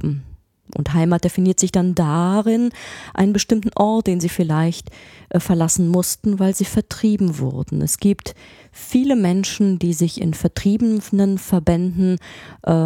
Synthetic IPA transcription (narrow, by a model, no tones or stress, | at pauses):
ʔʊ̰nthaɪmaːt̚d̥efiniːɐtz̥ɪçd̥andaʁɪnʔa̰ɪnənbəʃtɪmtn̩ʔɔɐt̚d̥eːnziːfɪlaɪçtʔfɛɐlasn̩mʊstn̩vaɪlziːfɛɐtʁ̥iːbm̩vʊ̰ʁdn̩ʔɛ̰sɡ̥iːpt | fiːləmɛnʃn̩diːzɪçɪ̰nfɛɐtʁ̥iːbənənfɛɐbɛndn̩ʔ